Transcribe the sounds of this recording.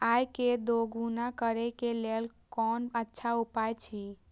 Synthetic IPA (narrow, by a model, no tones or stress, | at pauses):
ajked̪oɡunakəɾekelel | kɔnətːʃʰaupajt͡ʃʰi